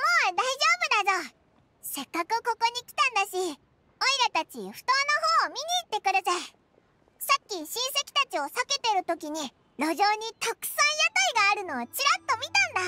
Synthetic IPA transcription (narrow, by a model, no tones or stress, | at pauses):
moːd̪aiʑo̞ːbɯ̟d̪azo | sekːakɯko̞ko̞ɲ̟ikʲi̥t̪ãnd̪aɕi | oiɾat̪at͡ɕḭɸɯ̟̥t̪o̞ːnoɦo̞ːmʲiɲ̟iːt̪ːe̞kɯ̟ɾasai | sakʲːiɕĩɰ̃se̞kʲi̥t̪at͡ɕio̞sake̞t̪e̞ɾɯ̟t̪o̞kʲiɲ̟i | ɾo̞ʑoːɲ̟it̪okɯ̟̥sãɰ̃jat̪aiɡaːɾɯ̟no̞ːt͡ɕiɾat̪ːo̞mʲit̪ãnd̪a